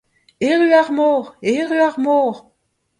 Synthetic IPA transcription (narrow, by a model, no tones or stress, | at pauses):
eʁyaʁmoːʁeʁyaʁmoːʁ